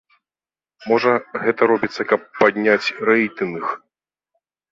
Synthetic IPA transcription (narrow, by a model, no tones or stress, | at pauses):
mɔʐɐɣɛt̪ɐɾɔbʲit̪sːɐkɐpːad̪ʲnʲat͡sʲɾɛjt̪ɨnɨx